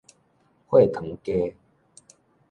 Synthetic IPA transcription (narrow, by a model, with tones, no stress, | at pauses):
hwe˥˨t̪ʰə˨˦ŋke˦